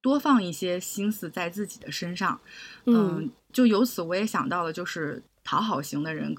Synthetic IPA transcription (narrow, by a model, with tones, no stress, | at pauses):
t̪wɔ˥fɑ˥˧ŋi˥˩ɕjɛ˥ɕi˥nsɹ̩˥˧t͡sa˥˧ɪt͡sɹ̩˥˩t͡ɕi̥˨˩d̪ə˦ʂə˥nʂɑ˥˩ŋə˥˧t͡ɕjo˥˩ʊjo˧˥ʊt͡sʰɹ̩˨˧˥wɔ˧˥jɛ˧˥ɕjɑ˨˩ŋt̪ɑ˥˩ʊlə˩t͡ɕjo˥˧ʊʂɻ̩˥˩ | t̪ʰɑ˧˥ʊxɑ˨˩ʊɕi˧˥ŋd̪ə˧ɻə̰˧˥n